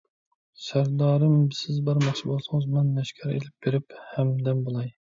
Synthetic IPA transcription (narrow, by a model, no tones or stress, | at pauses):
sæɾd̪ɑːɾɨmbɪsɪzbɑɾmɑχt͡ʃʰibolˠsɨŋɨzmɨnmɛʃkʲʰɛɾḛlɪp̚b̥eɾɪphɛmd̪ɛmbolˠɑj